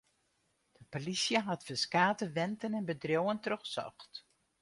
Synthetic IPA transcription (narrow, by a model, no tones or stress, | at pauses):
d̥əpolisjəɦatfəskaːtəʋɛntənɛnbədrjowəntrøxəsɔ̰xt